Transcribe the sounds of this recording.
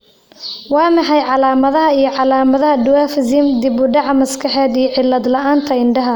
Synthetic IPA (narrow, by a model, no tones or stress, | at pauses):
wɑːmɑħɑjʕɑlaːmɐðɐɦɐijɞʕɑlaːmɐðɐɦɐɖʊwaːfɪzimd̪ɪbʊɖɑʕmɐskʰɐħɛːd̪ijɞʕɪlːɐd̪lɐʔaːnt̪ʰɐɪɳɖɐɦɐ